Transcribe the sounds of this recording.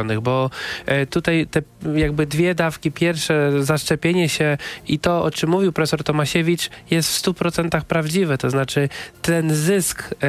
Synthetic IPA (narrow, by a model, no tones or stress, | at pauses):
ɔnɨɣbɔt̪ut̪ajt̪ɛjaɡbɘd̪vʲjɛd̪afkʲipʲjɛɾfʂɛzaʂt͡ʂɛpʲjeɲɛɕɛit̪ɔɔ̰t͡ʂɘmːuvʲiwpɾɔfɛsɔɾt̪ɔmaɕɛvʲit͡ʂjɛst̪fst̪upɾɔt̪sɛnt̪axpɾavd͡ʑivɛt̪ɔznat͡ʂɘt̪ɛnzɘsk